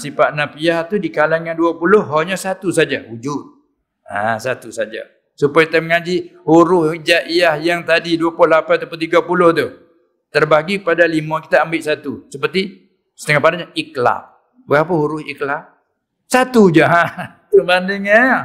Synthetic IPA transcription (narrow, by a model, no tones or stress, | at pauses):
sipaʔnapijaht̪udikalaŋanduapulʊhɦoɲasat̪usad͡ʒahud͡ʒʊt̪̚ | a̰sat̪usad͡ʒa̰ | supajkit̪aməŋad͡ʒihuɾʊhd͡ʒaʔijahjaŋt̪adiduaplʊhlapanat̪apant̪iɡapulʊht̪u | t̪ərbaɡikəpadalimãki̥t̪aːmbɪʔsat̪usəpərt̪i | sə̥t̪əŋahpadaɲaʔikla̰ʔ | bəɣapəhuɾʊhiklaʔ | sat̪ud͡ʒaɦa | t̪ubandiŋa